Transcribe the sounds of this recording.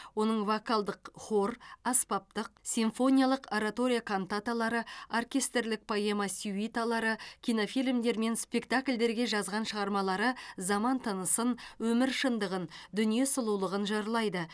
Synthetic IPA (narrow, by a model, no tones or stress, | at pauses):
wo̞nəɴvokalˠd̪əqχo̞rɑspɑp̚t̪əq̚sʲiɱfo̞nʲijalˠəqaɾat̪o̞ɾʲijakʰont̪at̪alˠɑɾəarkʲe̞st̪ɾlɪk̚pʰoje̞masʲuit̪alˠɑɾəkʲijno̞filʲmd̪e̞ɾme̞nspʲe̞kt̪akʲlʲd̪e̞ɾɡʲe̞ʒɑzʁɑnʃəʁɑɾmɑlˠɑɾəzɑmɑnt̪ʰənəsənwɵmɪɾʃənd̪əʁənd̪ʏnije̞səlˠulˠəʁənʒɑɾlˠɑjd̪ə